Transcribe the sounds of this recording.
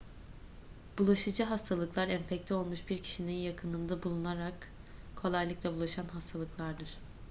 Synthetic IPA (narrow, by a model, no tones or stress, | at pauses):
b̥ulˠaʃɯd͡ʒɯɦast̪ʰalˠɯklˠaɾɛnfɛclʰʲio̞lˠmuʃbiɾcʰi̥ʃininjakʰɯnɯnd̪abulˠunaɾak | kʰo̞lˠajlˠɯklˠɛbulˠaʃanɦast̪ʰalˠɯklˠaɾd̪ɯɾ̥